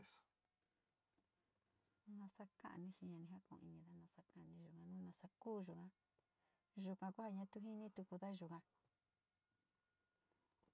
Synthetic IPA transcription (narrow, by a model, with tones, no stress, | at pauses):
s | nã˧sa˦kã̰˦ʔnĩ˧ʃĩ˧ɲã˧nĩ˧ɦa˦kõ̰˨˧ḭ˧nĩ˧ða˦nã˧sa˧kã˦˧nĩ˧ʒu˨kã˧nũ˦nã˧sa˧kuː˦ʒu˨kã˧ | ʒu˧kã˧ku˦ha˧ɲã˧˦t̪u˧˦ɦi˦nĩ˦t̪u˧ku˧ða˦˧ʒu˨kã˧